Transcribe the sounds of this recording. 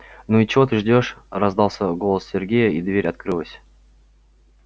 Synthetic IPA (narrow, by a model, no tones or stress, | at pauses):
nuit͡ɕɪvo̞t̪ɨʐdʲo̞ʂrɐzd̪ɑlˠsʲəɡo̞lˠəssʲɪrɡʲejəid̪vʲeɾʲɐt̪̚kɾɨlˠəsʲ